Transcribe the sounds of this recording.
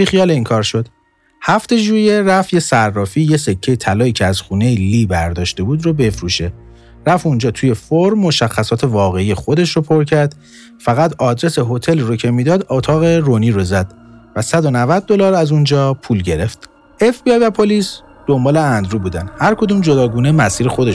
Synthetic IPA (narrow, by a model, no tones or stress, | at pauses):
bixijɒːleiːŋkʰɒːɾʃo̞d̪̥ | hæft̪e̞ʒuːje̞ɾæfjesærːɒːfiːjesekcʰːejet̪ʰælɒːiːcʰeæz̥xuːnejilibæɾd̪ɒːʃt̪e̞buːd̪robe̞fɾuʃe̞ | ɾæfund͡ʒɒːt̪ʰuːje̞foɾmːo̞ʃæxːæsɒːt̪ʰe̞vɒːɣe̞ijexo̞d̪e̞ʃɾopʰoɾcʰæɾd̪̥ | fæɣæt̪ɒːd̪ɾe̞se̞ɦo̞t̪ʰe̞lrocʰe̞mid̪ɒːd̪ot̪ʰɒːɣe̞ɾoniːɾozæd̪̥ | væsæd̪o̞nævæd̪̚ːolɒːɾæzund͡ʒɒːpʰuːlɟe̞ɾe̞ft̪ | efbiɒjvæpʰoliːs | d̪̥o̞mbɒːle̞ænd̪ɾuːbuːd̪ænhæɾkʰo̞d̪uːmd͡ʒo̞d̪ɒːɡuːnemæsiːɾexo̞d̪eʃ